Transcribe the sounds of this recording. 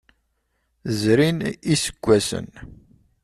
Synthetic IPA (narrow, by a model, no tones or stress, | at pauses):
zɾinisə̥ɡʷːæsə̰n